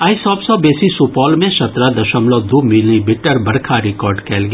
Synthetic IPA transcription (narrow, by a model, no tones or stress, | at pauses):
aːisɔːbsɔːbeːsisupɔːlmẽʃɐt̪ɾad̪ɐʃəmlod̪umɪlnĩbɪʈːəɾbɐɽkʰaɾɪkɔːɾɖkɛːlɡ